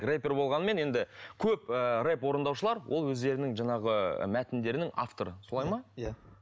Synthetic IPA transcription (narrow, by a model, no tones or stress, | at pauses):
repʲe̞rbo̞lˠʁɑnəme̞ne̞nd̪ɪkʲʰɵpəre̞pwo̞ɾənd̪ɑwʃəlˠɑɾwʔo̞̰lˠwɵzd̪e̞ɾɪnɪŋʒɑɴɑʁə̰mæt̪ɪnd̪e̞ɾɪnɪŋa̰ft̪o̞ɾəsolˠɑjmɑ